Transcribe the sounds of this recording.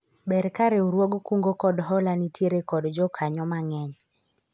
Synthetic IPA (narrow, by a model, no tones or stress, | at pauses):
bɛɾkaɾeuɾwoɡkuŋɡokɔdɦɔlanitjeɾekɔdd͡ʒɔkʰaɲɔmaŋɛɲ